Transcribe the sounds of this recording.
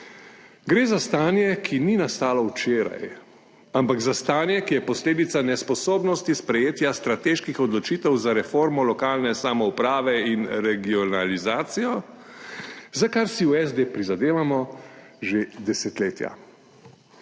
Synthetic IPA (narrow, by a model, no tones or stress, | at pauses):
ɡɾeːzast̪aːnjɛkʰininast̪aːlɔwt͡ʃeːɾa̰j | ampaɡzast̪aːnjɛkijɛpɔsleːd̪it̪sanɛspɔsoːbnɔst̪ispɾɛjeːt̪jast̪ɾat̪eːʃkixɔd̪lɔt͡ʃiːt̪ɛwzaɾɛfoːɾmɔlɔkaːlnɛsamɔupɾaːʋɛinɾɛɡiɔnalizaːt̪sijɔ | zakaɾsiuɛzd̪eːpɾizad̪eːʋamɔ | ʒed̪ɛsɛt̪leːt̪ja̰